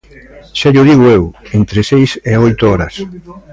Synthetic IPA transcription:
ʃaʎʊðiɣʊewent̪ɾesejseɔjt̪ʊɔɾɐs

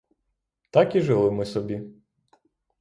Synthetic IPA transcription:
t̪ɑkiʒɪlˠɪmɪsɔbʲi

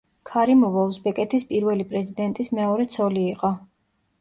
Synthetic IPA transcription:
kʰaɾimɔvɔlˠzbɛkʼɛt̪ʰispʼiɾvɛlipʼɾɛzid̪ɛnt̪ʼismɛɔɾɛt̪sʰɔliːqʼɔ

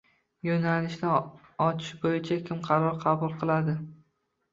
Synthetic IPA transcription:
jonalɪʃnɪ | ɒt͡ʃʰɪ̥ʃbojɪt͡ʃʰakʲʰɪmqʰɑɾɒɾqʰɑbʊlˠqʰɨlˠad̪ɪ

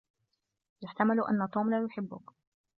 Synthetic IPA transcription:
jaħt̪amalʔa̰nːat̪ˤuːmlaːjʊħɪbːʊ̰k

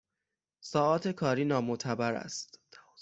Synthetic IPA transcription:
sɒːɒːt̪ʰe̞kʰɒːɾiːnɒːmot̪ʰæbæɾæ̰st̪

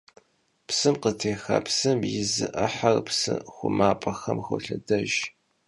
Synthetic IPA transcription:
psɨmqətʰeːxɐ̰psɨmjɪzɨʔɐħarpsɨxʷʊmaːpʼɐxɐmxʷʊɬɐdɐʒ

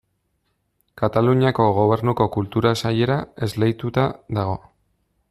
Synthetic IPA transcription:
kat̪aluɲiako̞ɣo̞β̞e̞ɾnuko̞kult̪uɾasaje̞ɾae̞zlejt̪ut̪aðaɣ̞o̞

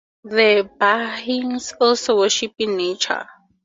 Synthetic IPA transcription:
ðəbahĩŋsɔlsowəʃipĩŋnet͡ʃʰə̰

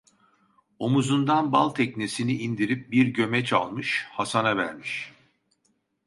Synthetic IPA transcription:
o̞muzund̪anbalˠt̪ʰɛcnesiniʔːnd̪iɾip̚biɾɟø̞mɛt͡ʃʰa̰lˠmɯʃhasanavæ̰ɾmiʃ

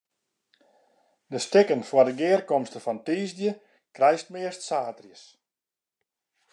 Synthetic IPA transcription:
dəstɪkənfwadəɡɪːrkɔmstəfɔntiːzdjə | krɛjst̚mɪərstsaːtrjəs

